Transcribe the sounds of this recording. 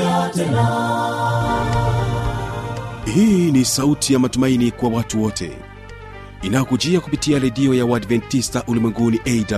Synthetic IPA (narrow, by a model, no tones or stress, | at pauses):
hiːnisautʰijamatumainikwawatuwɔtʰɛ̰ | inajɔkud͡ʒiakupitiaɾɛɗiɔjawadvɛntistaʔulimwɛŋɡuniʔɛda